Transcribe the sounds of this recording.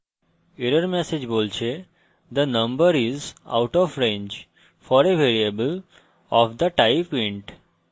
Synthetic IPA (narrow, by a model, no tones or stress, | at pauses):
iɾəɾmɛsed͡ʒboːlt͡ʃʰe | d̪ənə̃mbəɾiza̰ʊʈɔfɾẽɲd͡ʒ | fɔɾeʋeɾiəbəl | ɔfd̪əʈaɪpɪ̃ɳʈ